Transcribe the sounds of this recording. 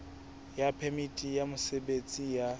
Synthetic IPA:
japʰemitʼijamʊsebet͡sʼija

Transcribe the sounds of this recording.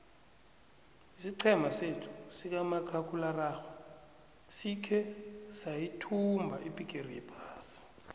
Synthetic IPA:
isiǀʰɛmʱasetʰu̥sik̬amakʰakʰʼularaːxɔ | sikʰɛsajitʰumbʱaʔipʼik̬ʼerijɛpʰaːsi̥

